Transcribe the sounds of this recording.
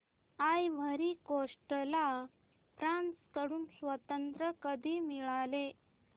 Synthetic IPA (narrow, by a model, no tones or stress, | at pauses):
ajʋ̤ʱəɾiːkoʂʈla | pɾanskəɽuːnsʋət̪ənt̪ɾəkəd̪ʱiːmiɭale